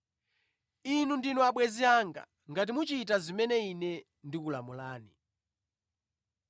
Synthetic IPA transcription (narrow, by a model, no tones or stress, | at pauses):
inundinuaɓwɛziaŋɡa̰ | ŋɡat̬imut͡ʃitazimɛnɛinɛ | ndikula̰mulaːni